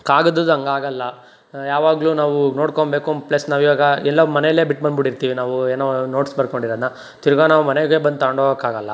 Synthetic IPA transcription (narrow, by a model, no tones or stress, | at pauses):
kaːɡɐd̪ud̪ɐŋɡaːɡɐlːɐ | jaːʋaːɡluːnaːʋuno̞ːɽkombe̞ːkomplɐsnaːʋiʋaːɡɐɛlːɐmɐnɛjɐlːeːbiʈːbɐnbiɽiɾt̪iːʋinaːʋueːnoːno̞ːʈsbɐɾkoɳɖiɾod̪nɐ | t̪iɾuɡanaːʋumɐneɡebɐnd̪aːɳɖoːkaːɡɐlːɐ